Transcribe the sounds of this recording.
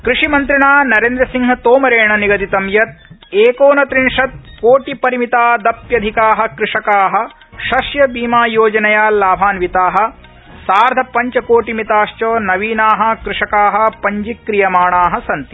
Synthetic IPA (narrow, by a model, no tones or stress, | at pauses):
kɾiʂimɐnt̪ɾiɳaːnɐɾeːnd̪ɾɐsiŋɦɐt̪oːmɐɾeːɳɐniɡɐt̪it̪ɐmjɐt̪̚eːkoːnɐt̪ɾiɳʂɐt̪̚koːʈipɐɾimit̪aːd̪ɐpjɐd̪ʱikaːɦɐ̆kɾɪʂɐkaːɦɐ̆ | ʃɐʃjɐbiːmaːjoːd͡ʒɐnɐjaːlaːbʱaːnʋit̪aːɦɐ̆ | saːɾd̪ʱɐpɐɲt͡ʃɐkoːʈimit̪aːʃt͡ʃoːnɐʋiːnaːɦɐ̆kɾɪʂɐkaːɦɐ̆pɐɲd͡ʒikːɾijɐmaːɳaːɦɐ̆sɐnt̪i̥